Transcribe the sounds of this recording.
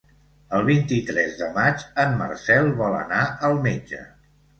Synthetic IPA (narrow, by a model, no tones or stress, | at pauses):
əlˠβint̪it̪ɾɛzðəmat͡ʃəmːə̰rsɛlˠβɔlə̰naəlˠmed͡ʒə̰